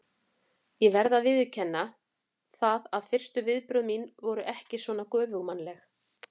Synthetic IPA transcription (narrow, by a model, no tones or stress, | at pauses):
jɛvɛɾðaðvɪðʏcʰɛnːa | θaðaðfɪr̥st̪ʏvɪðpɾʏðminvɔɾʏʔɛhcɪsvɔːnakœːvʏɣmanlɛx